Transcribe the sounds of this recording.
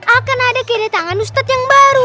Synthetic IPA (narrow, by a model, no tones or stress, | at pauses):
ʔakanadakɛdat̪aŋanust̪at̪jaŋbaɾu